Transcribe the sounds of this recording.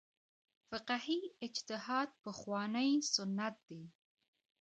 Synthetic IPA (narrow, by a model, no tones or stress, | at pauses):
fɪqahiɪd͡ʒt̪ɪhɑd̪̚pəxwɑnəjsʊnːat̪̚d̪̥e